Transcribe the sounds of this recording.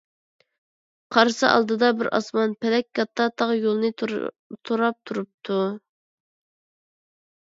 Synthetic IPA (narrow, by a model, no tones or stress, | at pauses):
qʰɑɾsɨʔɑ̰lˠd̪ɨd̪ɑbɪɾʔɑ̰smɑnpʰɛlɛk̚ʲkɑt̪ʰːɑt̪ʰɑʁjolˠnɨ | t̪ʰoɾɑp̚t̪ʰuɾup̚t̪ʰu